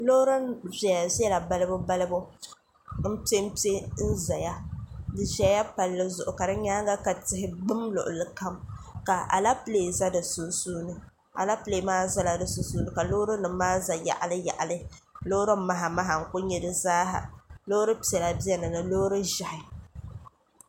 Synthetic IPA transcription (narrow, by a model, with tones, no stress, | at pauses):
lo˦ɾɨ˦nvɛ˨ja˨zɛ˦la˨ba˦lɨ˦bʊ˦ba˦lɨ˦bʊ˦ | m̩˦pe˦m̩˦pi˦e˦n̩˦za˨ja˦dɨ˨ʒa˦ja˦pa˨lːɨ˦zʊ˨ʔʊ˨ka˨dɨ˦ɲaː˦ŋ˦ɡa˦ka˨tɪ˦ɦɪ˦bɨ˦mlʊ̰˨ʔʊ˨lɨ˨ka˦mka˨ʔa̰˨la˦pɨ˦le˨za˦dɨ˨su˨suː˦nɨ˨ | a̰˨la˦pɨ˦leː˨˦maː˦za˦la˨dɨ˨su˨suː˦nɨ˦ka˨lo˦ɾɨ˦nɨ˨˦maː˦za˨ja̰˨ʔa˨lɨ˦ja̰˨ʔa˨lɨ˦lo˦ɾɨ˦ma˦ɦa˨ma˦ɦa˨ŋ̩˨kʊ˦ɲɛ˦˨dɨ˨zaː˦ɦa̰˨lo˦ɾɨ˦pi˨ɛ˨la˨bɛ˦nɨ˨nɨ˨lo˦ɾɨ˦ʒa˨hɪ˨